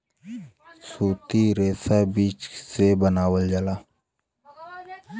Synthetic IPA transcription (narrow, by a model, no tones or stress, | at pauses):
suːt̪iɾeːsabiːt͡ʃsebənaːwəld͡ʒəlaː